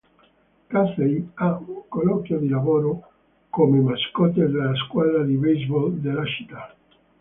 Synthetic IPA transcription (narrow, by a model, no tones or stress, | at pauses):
kaθejauŋkolɔkjod̪ilaβoɾo | komemaskɔt̪̬ed̪elaskwaðɾad̪iβejzbold̪elat͡ʃi̥t̪a